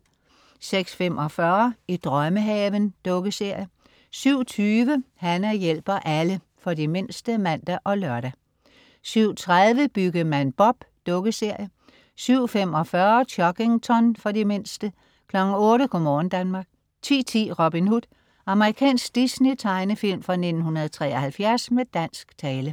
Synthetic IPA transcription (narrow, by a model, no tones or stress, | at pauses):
seɡ̥sfemʔɒ̽fɶɐid̥ʁɶməɦɛːʋənd̥ɔ̽ɡ̥əse̝ɐ̰jə | syʊ̰t͡sʰyːʋəhænɐjel̰b̥ɐʔælə | fɒ̽dime̝n̰sd̥əmæn̰d̥æʔɒ̽lœɐɾæ | syʊ̰t͡sʰʁaðˠʋəb̥yɡ̥ɐmænb̥ɒ̽b̥ | d̥ɔ̽ɡ̥əse̝ɐ̰jə | syʊ̰fem̰ɒ̽fɶːɐt͡sʰɒ̽ɡ̥e̝ŋt͡sʰɒnfɒ̽dime̝n̰sd̥ə | kʰlɒ̽ɡ̥n̩ɔ̽ːɾəkʰɔmɒːn̩d̥ænmɑ̈ːɡ̥ | t͡sʰḭːt͡sʰḭːʁob̥inhud̥ | ɑ̈məʁikʰɛ̰ːnsɡ̥d̥isnet͡sʰɑ̈ɪnəfil̰mfʁɑ̈ne̝d̥n̩hunɐðˠt͡sʰʁɛ̰ːɐhælfjæɐsmed̥æn̰sɡ̥t͡sʰɛːlə